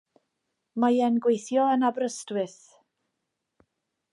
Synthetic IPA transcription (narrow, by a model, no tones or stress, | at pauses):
majɛnɡwejθjɔənabrəstwɪθ